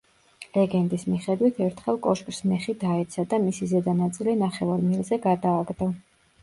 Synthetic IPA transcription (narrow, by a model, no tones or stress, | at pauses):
lɛɡɛnt̪ʼismiχɛd̪wit̪ʰɛɾt̪ʰχɛlˠkʼɔʃkʼɾsmɛχid̪aɛt̪sʰad̪amisizɛd̪anat̪sʼilinaχɛvaɾmɛlzɛɡad̪aːɡd̪ɔ